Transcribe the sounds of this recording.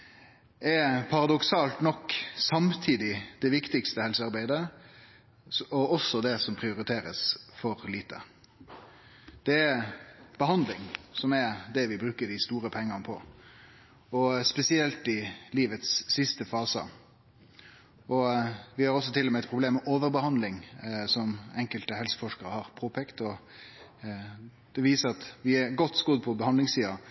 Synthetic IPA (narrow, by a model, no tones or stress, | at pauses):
ʔɛɾpʰɑɾɑd̪ɔksɑːlt̪nɔkːsɑmt̪ʰiːd̪ɪd̪̥ɛʋɪkt̪ɪkst̪əhɛlsəɑɾbæɪd̪ə | ɔɔsːɔd̪ɛsɔmpʰɾɪʊɾɪt̪ʰeːɾə̰sfɔɾliːt̪ə̰ | d̪̥ɛɛɾb̥əɦɑnd̪lɪŋsɔmɛɾd̪ɛʋɪbɾʉːkəɖ̪ɪst̪uːɾəpʰɛŋːənəpʰɔ̰ | ɔspɛsɪɛlt̪ɪliːʋət̪sːɪst̪əfɑːsə̰ | ɔʋɪhɑɾɔs̬ːɔt̪ʰɪlːɔmɛɛt̪pʰɾʊbleːmːɛʔoːʋəɾbəhɑnd̪lɪŋsɔmɛŋkəlt̪əhɛlsə̥fɔʂkəɾəhɑɾpʰoːpʰɛkt̪ɔ | d̪̥ɛʋiːsəɾɑt̪ʋɪɛɾɡɔt̪ːsɡɔd̪pʰɔbəhɑnd̪lɪŋssiːɑ